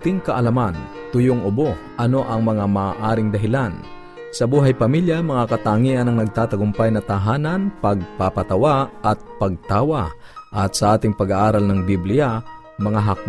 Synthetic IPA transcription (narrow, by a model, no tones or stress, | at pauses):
t̪ɪŋkɐʔɐlɐman | t̪ʊjoŋʔʊboʔɐno̞ʔɐŋmɐŋamaaʔaːɾɪŋd̪ɐɦɪlan | sɐbuːɦɐjpɐmiljamɐŋakɐt̪aːŋiʔɐnɐŋnɐɡ̚t̪aːt̪ɐɡʊmpajnɐt̪aɦaːnɐnpɐɡ̚papɐt̪ɐwaɐt̪̚pɐɡ̚t̪aːwaʔɐt̪sɐʔaːt̪ɪŋpɐɡaʔaːɾɐlnɐŋbiblɪja | mɐŋaɦak̚